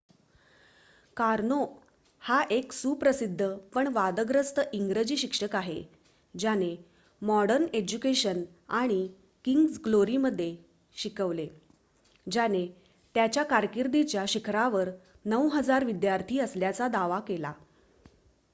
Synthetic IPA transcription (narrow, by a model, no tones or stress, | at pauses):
kaɾno | haʔeksupɾəsid̪ʱːəpəɳʋad̪əɡɾəst̪əʔiŋɡɾəd͡ʑiːɕikʂəkaɦe | d͡ʑane | mɔɽəɾned͡ʑukeɕən | aɽ̃i | kiŋɡsɡloɾiməd̪ʱːje | ɕikəʋle | d͡ʑane | t̪jat͡ɕjakaɾkiɾd̪it͡ɕjaɕikʰɾaʋəɾ | nəwɦəd͡zaɾʋid̪jaɾt̪ʰiːəsljat͡sad̪aʋakela̰